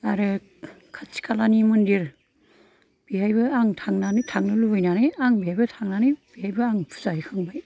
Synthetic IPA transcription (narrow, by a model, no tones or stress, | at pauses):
aɾɯ | kʰat͡ʃi̥kʰalanimundiɾ | b̥iɦajbɯaŋtʰaŋnanitʰaŋnɯlubɯjnanɯaŋbiɦajbɐtʰaŋnanɯb̥iɦajbɯaŋpʰu̥zajikʰɯŋbaj